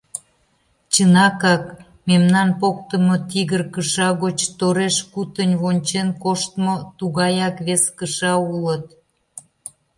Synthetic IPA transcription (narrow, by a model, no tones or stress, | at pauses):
t͡ɕənɑkɑk | memnɑnpok̚t̪əmot̪iɣərkəʃɑɣot͡ɕt̪oɾeʃkut̪ənʲβonʲt͡ɕenkoʃt̪mot̪uɣɑjɑkβeskəʃɑulət̪